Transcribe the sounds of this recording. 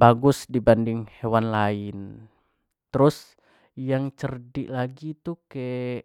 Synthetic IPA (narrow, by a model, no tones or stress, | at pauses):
baɡʊsdibandɪŋhewanlaɪn | t̪əɾʊs | jaŋt͡ʃərdɪ̰ʔlaɡit̪ukɛ